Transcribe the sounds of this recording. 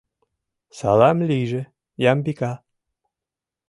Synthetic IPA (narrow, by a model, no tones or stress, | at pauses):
sɑ̰lɑmliʒĕ | jɑmbikɑ